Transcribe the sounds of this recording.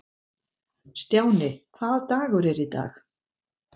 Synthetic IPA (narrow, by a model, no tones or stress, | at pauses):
st̪joːwnɪkʰvaːðt̪aːɣʏɾɛɾit̪a̰ːx